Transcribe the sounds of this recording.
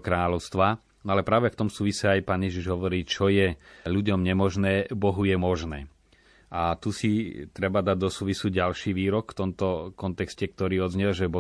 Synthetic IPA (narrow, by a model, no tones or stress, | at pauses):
kɾaːʎɔʊst̪ʋa | nɔalɛpɾaːʋɛft̪ɔmsuːʋisɛajpaːnjɛʒiʒɦɔʋɔɾiːt͡ʃɔjɛʎuɟɔmɲɛmɔʒnɛːbɔɦujɛmɔʒnɛ̰ː | ʔat̪usit̪ɾɛbad̪aɟd̪ɔsuːʋisuɟalʃiːʋiːɾɔkft̪ɔmt̪ɔkɔnt̪ɛkscɛk̚t̪ɔɾiːɔd̪zɲɛlʒɛbɔ